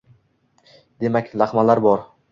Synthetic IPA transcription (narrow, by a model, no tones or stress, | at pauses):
d̪̥e̞makʲlaχmalaɾbɒɾ